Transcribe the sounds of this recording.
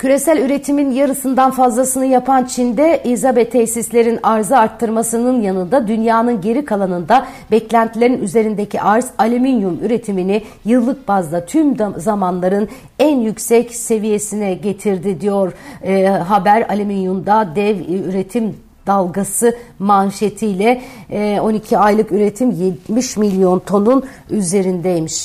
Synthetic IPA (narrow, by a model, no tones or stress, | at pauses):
cʰyɾe̞sælʲyɾe̞t̪ʰiminjaɾɯsɯnd̪anfazlˠasɯnɯjapʰant͡ʃʰind̪ɛʔizabɛt̪ʰːɛçsislʲe̞ɾinaɾzɯaɾt̪ʰːɯɾmasɯnɯnjanɯnd̪ad̪ynjaːnɯnɟe̞ɾikʰalˠanɯnd̪abɛclʲænt̪ʰilʲeɾinyze̞ɾind̪ecʰḭʔaɾzalʲiminjumyɾe̞t̪ʰimini | jɯlˠːɯk̚bazd̪ˠat̪ʰymzamanlˠaɾɯn | ænjycsɛcse̞vije̞sinɛɟe̞t̪ʰiɾd̪id̪ijoɾ | ɦabæɾalʲiminjumd̪ad̪ɛvyɾe̞t̪ʰim | d̪̥alˠɡasɯmanʃe̞t̪ʰijlʲɛ | o̞nicʰiajlˠɯkyɾe̞t̪ʰimjet̪miʃmilʲijo̞nt̪ʰo̞nun | yze̞ɾind̪ɛjmiʃ